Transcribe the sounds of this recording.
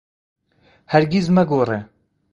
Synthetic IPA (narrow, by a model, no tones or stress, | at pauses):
hæɾɡizmɛɡoːre